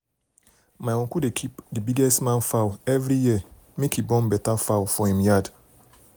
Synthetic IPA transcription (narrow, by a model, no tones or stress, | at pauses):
majwɔ̃kudekʰipdibiɡɛstmãnfawɛvɾijiə | mekibɔ̃nbɛtafawfɔhĩmjad